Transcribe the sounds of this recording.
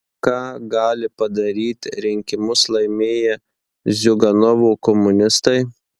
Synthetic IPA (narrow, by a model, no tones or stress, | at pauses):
kɑːɡɑːlʲɪpɐd̪ɐɾʲiːt̪ʲɾʲɪŋʲkʲɪmʊslˠɐɪmʲeːjɛ | zʲʊɡɐnɔʋuːkɔmʊnʲɪst̪ɐɪ